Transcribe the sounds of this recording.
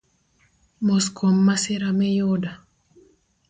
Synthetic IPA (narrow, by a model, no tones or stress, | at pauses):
moskʰomːasɪɾamɛjoda